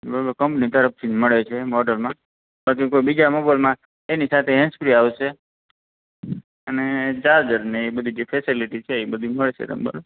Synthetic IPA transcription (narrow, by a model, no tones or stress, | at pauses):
bəɾbəkəmpnit̪əɾəft̪ʰiməɭet͡ʃʰemɔɖəlmã | pəɭkekoibid͡ʒamobalmã | enisat̪ʰeɦɛ̃nspɾiaʋʃe | əned͡ʒaɾd͡ʒəɾnebəd̪ʱid͡ʒefʰesiliʈit͡ʃʰeːbəd̪ʱiməɭʃʰḛt̪ə̰mbə̰l